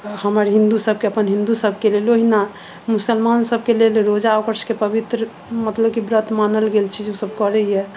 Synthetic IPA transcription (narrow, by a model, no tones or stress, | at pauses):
həməɾɦĩnd̪usəb̚keəpənɦĩnd̪usəb̚ʱkeleloɦina | musəlmansəb̚ʱkelelɾod͡ʒaokəɾskepəbit̪ɾə | mət̪ləb̚kibɾət̪ʰmanəlɡelt͡ʃʰid͡ʒusəbkəɾəjɛ